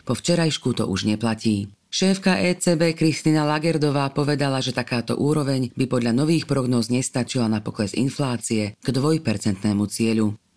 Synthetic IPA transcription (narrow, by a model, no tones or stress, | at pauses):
pɔft͡ʃɛɾajʃkut̪ɔ̰ʔuʒɲɛplaciː | ʃɛːfkaʔɛːt͡sɛːbɛːkɾist̪inalaɡɛɾd̪ɔʋaːpɔʋɛd̪alaʒɛt̪akaːt̪ɔ̰ʔuːɾɔʋɛɲbipɔd̪ʎanɔʋiːxpɾɔɡnɔːzɲɛst̪at͡ʃilanapɔklɛzḭnflaːt͡siɛɡ̥d̪ʋɔjpɛɾt͡sɛnt̪nɛːmut͡sɪɛʎu